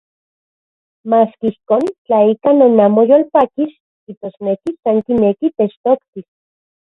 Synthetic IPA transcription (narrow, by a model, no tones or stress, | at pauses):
maːskiihkoːnt͡ɬaikanonamojolpakis | kit̪osnekisaŋkinekit̪et͡ʃt̪okt̪i